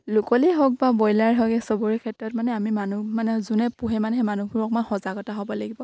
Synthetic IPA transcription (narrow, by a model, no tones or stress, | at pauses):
lʊkɔliɦɔk̚babɔjlaɹɦɔɡɛsɔbɔɹikʰɛtɹɔtmanɛamimanumanɛzunɛpuɦɛmanɛɦɛmanuɡuɹɔk̚manxɔzaɡɔtaɦɔbɔlaɡibɔ